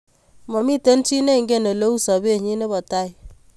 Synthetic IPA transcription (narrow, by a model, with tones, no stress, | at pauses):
mɔ˨mi˦te˦nt͡ʃi˦ne˦˨ŋɡe˦ne˨lo˦u˦sɔ˨be˦˨ɲi˦ne˦bɔ˨ta˦j